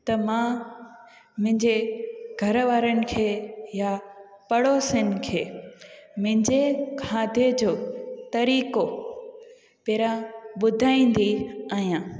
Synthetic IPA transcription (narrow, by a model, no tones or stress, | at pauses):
t̪ɐmãː | mʊ̃ɦɪ̃ɲd͡ʑeɡʱɐɾʋaːɾənɪ̆kʰeːja | pɐɽosɪn̆kʰeːmʊ̃ɦɪ̃ɲd͡ʑekʰaːd̪ʱed͡ʑoːt̪ɐɾiːko | peːɾãɓʊd̪ʱaːĩːn̆d̪iaːɦijãː